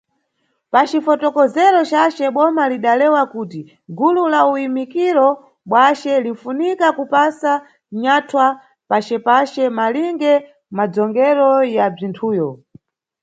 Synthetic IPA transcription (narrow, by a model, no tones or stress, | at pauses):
pat͡ʃifɔtɔkɔzɛɾɔt͡ʃat͡ʃɛɓɔmaliɗalɛwakuːti | ɡululaujimikiɾɔ | ɓwat͡ʃɛlin̩funikakupasa | ɲatʰwa | pat͡ʃɛpat͡ʃɛmaliŋɡɛ | mad͡zɔŋɡɛɾɔjab͡ʐintʰuːjɔ